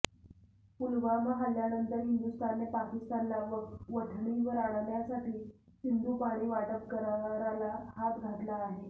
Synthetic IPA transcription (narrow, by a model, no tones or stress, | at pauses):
pulʋaməɦaljanənt̪əɾɦind̪ust̪ʰanepakist̪anlaʋəʈʰɳiʋəɾaɽ̃aljasaʈiːsind̪ʱuːpaɽ̃iːʋaʈəkkəɾaʋɾalahat̪ɡʱat̪laːɦe